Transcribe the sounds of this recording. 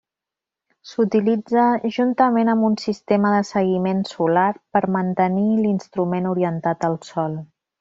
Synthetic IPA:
sut̪ilid͡zəʒunt̪əmenəmbunsist̪eməðəsəɣimensulaɾpəɾmənt̪ənilinst̪ɾumenuɾiənt̪at̪əlˠsɔlˠ

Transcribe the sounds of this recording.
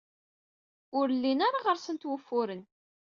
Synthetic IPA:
ʊɾlːinaɾaʁəɾsənt̪wəfːʊɾən

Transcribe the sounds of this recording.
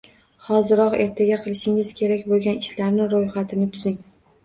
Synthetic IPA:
hɒzɪɾɒqe̞ɾt̪ʰaɡʲaqʰɨlˠɪʃɪŋɪzkʲʰe̞ɾakʲbolˠɡʲanɪʃlaɾnɪɾojχat̪ʰɪnɪt̪ʰʊzɪŋ

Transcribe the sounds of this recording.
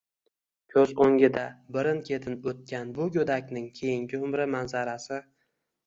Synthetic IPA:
kʲʰɵzoŋʲɪd̪abɪɾɪnkʲʰe̞t̪ʰɪnot̪̚kʲʰanbʊɡʲɵd̪akʲnɪŋkʲʰe̞jɪŋɡʲɪʊmɾɪmanzaɾasɪ

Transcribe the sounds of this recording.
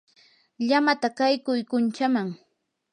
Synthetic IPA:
ʎamat̪akajkʊjkʊnt͡ʃamaŋ

